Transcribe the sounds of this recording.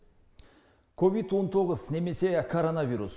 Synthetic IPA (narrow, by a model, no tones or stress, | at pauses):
kʰo̞vid̪wo̞nt̪ʰo̞ʁəzne̞me̞se̞kʰoɾonavʲiɾus